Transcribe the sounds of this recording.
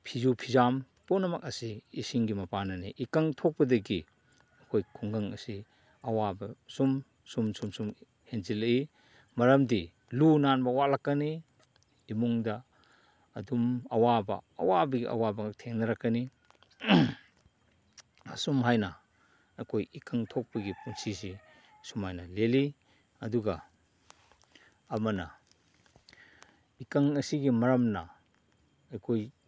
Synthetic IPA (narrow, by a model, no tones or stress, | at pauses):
pʰizupʰizam | punɐmɐk̚ɐsiːsiŋɡimɐpanɐniʔikaŋtʰok̚pɐdɐɡi | ɐkʰojkʰuŋɡɐŋɐsi | ɐwabɐsum | sumsumsum | henzilɐi | mɐɾɐmdi | lunanbɐwalakːɐniː | muŋdɐː | dumɐwabɐ̰ɐ̰wabɐɡḭʔɐ̰wabɐtʰeŋnɐɾakːɐni | ɐsumɦajnɐ | ɐjkʰojikaŋtʰok̚pɐɡipunsizi | sumajnɐleli | ɐduɡɐ | mɐnɐ | ikaŋɐsiɡimɐɾɐmnɐ | ɐjkʰoj